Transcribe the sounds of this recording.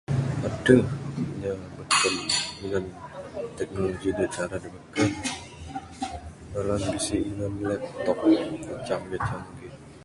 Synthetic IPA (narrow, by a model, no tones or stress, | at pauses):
adaɲabəkəniŋant̪ɛk̚noloɡidiat͡ʃaɾadibəkən | malanbisiiŋanlɛp̚t̪ɔk̚kət͡ʃaŋɡət͡ʃaŋɡɪ